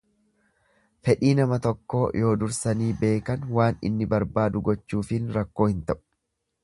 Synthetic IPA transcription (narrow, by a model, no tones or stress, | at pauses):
fɛᶑiːnɐmɐt̪ɔkːo̞ːjʔo̞ːd̪ʊɾsɐniːbe̞ːkɐnwaːnɪ̰nːɪbɐɾbaːd̪ʊɡɔt͡ʃːuːfɪnɾɐkːo̞ːhɪnt̪ɐʔʊ̥